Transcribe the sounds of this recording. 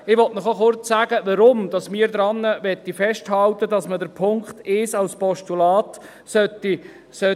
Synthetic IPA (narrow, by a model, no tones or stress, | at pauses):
ɪʋɔtnɔχoχʊrt͡ssæːɡ̥əʋɑɾʊmd̥̪ɑsmɪːɾd̪ɾɑnːəʋɛt̪ːifɛʃthɑlt̪ədɑsmədəɾpʰʊŋkχt̪ɪsɑlspɔʃtulɑːt̪ | sœt̪ːi | sœ